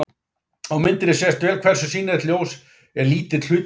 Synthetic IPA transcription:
awmɪnt̪ɪnɪsɛst̪vɛːlkʰvɛr̥sʏsiːnɪðɛt̪ljoːws | ɛɾliːt̪ɪl̥ʏː

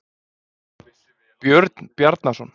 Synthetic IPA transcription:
pjœɾt̪npjaɾt̪nasɔn

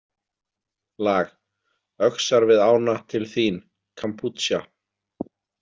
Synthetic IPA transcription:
laːɣ | œksaɾvɪðaːwnat̪ʰɪlθin | kʰampʰut̪sja

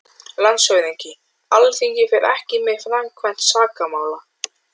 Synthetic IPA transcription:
lansvœɥðiɲcɪ | alθiŋjɛfɛɾɛ̰hcɪmɪfɾamkʰvɛn̥t̪saːkamaːwla

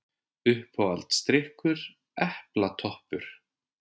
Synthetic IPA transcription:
ʏhpɔalt̪st̪ɾɪhkʏɾ | ɛhplat̪ʰɔhpʏɾ̥

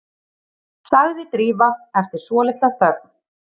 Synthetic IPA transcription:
saɣðɪt̪ɾiːvaɛft̪ɪɾ̥svɔːlɪht̪aθœɾn

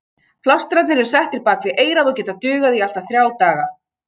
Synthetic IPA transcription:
pʰlawst̪ɾat̪nɪɾɪɾ̥sɛht̪ɪɾpaːkvɪʔeːjɾaðɔcɛːt̪at̪ʏːɣaðial̥t̪aθɾjaːwt̪aːɣa

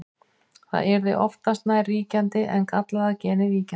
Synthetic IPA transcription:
θa̰ðɛɾðɪ̰ʔɔft̪ast̪nariːcant̪ɪʔɛnkat̪laðacɛːnɪviːca

